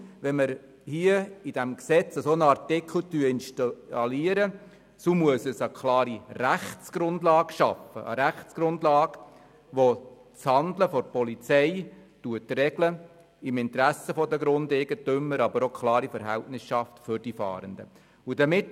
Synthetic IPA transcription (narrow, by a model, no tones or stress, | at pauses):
ʋɛnməɾ | hiəid̥æmksɛt͡səsoːnɑrtɪkχl̩ˠtyəɪnʃtɑliəɾə | sumuəsəsəkʰlɑːɾiræχtt͡sɡ̥ɾʊndlɑːɡʃɑ̰fə̰ʔə̰ɾæχt͡sɡ̥ɾʊndlɑːɡ | ʋo | t͡shɑndləfɔɾpɔlit͡sɛɪtuətrɛɡlə | ɪmɪntɾæsəfɔdəɡɾʊndɛɡətʏmːəɾɑbəɾɔkʰlɑːɾifəɾɦæ̰ltnɪsʃɑftfʏɾd̥ifɑ̰ːɾəndə̰ | udəmɪt